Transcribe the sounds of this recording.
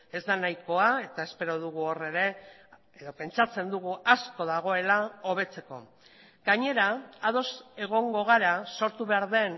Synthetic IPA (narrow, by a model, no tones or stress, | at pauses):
e̞zd̪anajko̞ae̞t̪ae̞spe̞ɾo̞ðuɣ̞uore̞ɾe̞ | eðo̞pe̞nt͡ʃat͡se̞nd̪uɣuasko̞ðaɣ̞o̞e̞lao̞β̞e̞t͡se̞ko̞̰ | ɡ̥aɲe̞ɾaaðo̞se̞ɣ̞o̞ŋɡo̞ɣ̞aɾaso̞ɾt̪uβe̞aɾðe̞n